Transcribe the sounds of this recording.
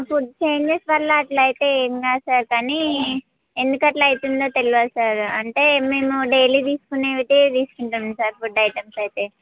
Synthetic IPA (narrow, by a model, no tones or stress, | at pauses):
fuʈ̚t͡ʃe̞ːɲd͡ʒesʋɐlːɐːʈlɐjt̪e̞eːmkaːsaːɾkaːni | end̪ukɐʈlɐjit̪und̪oːt̪eliʋɐsaːɾɐɳʈe̞ːme̞ːmuɖejlit̪̬iːsu̥kuneːʋit̪et̪iːsu̥kuɳʈɐmsaːɾfuɖɐjʈɐmsɐjt̪e̞ː